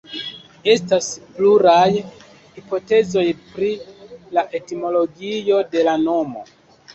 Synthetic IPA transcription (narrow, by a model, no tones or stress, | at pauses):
e̞staspluɾaj | hipo̞te̞zo̞jpɾilaʔe̞timo̞lo̞ɡijo̞de̞lano̞mo̞̰